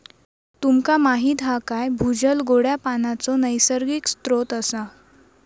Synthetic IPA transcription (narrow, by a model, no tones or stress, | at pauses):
t̪umkamaɦiːt̪ɦakajbʱud͡ʑəlɡoɽjapanat͡sɔnəjsəɾɡikst̪ɾot̪əsa